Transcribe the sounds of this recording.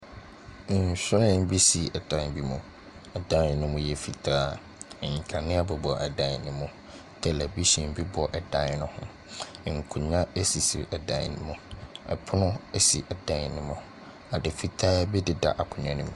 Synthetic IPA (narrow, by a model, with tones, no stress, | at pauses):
n̩˨sʊ˦ɾɪ̃˦m̩˦bi˦si˨ɛ˨dã˨n˨bi˦mʊ̃˨ | ɛ˨dã˦n˨nʊ̃˦mʊ̃˦jɛ˨fi˨tʰaː˦ | ɛ˨ɲĩ˨kʰa˨nɪ̃˦a˦bɔ˨bɔ˨ʔɛ˨dã˨n˨nɪ̃˦mʊ̃˨ | tʰɛ˨læ˨bi˦ɕĩ˨m˦bi˦bɔ˨ʔɛ˨dã˦nnʊ̃˦hʊ̃˦˨ | ŋ̩˨kʰʊ̃˨ɲã˦ɛ˦si˨sḭ˨ɛ˨dã̰˨nɪ̃˦mʊ̃˨ɛ̰˨pʰʊ˦nʊ̃˦ɛ˦si˨ʔɛ˨dã˨˦n˨nɪ̃˦mʊ̃˨ | a˨dɪ˨fi˦˨tʰaː˦bɛ˦dɪ˨da̰˨ʔa˨kʰʊ˨ɲã˨nʊ̃˨m̃˨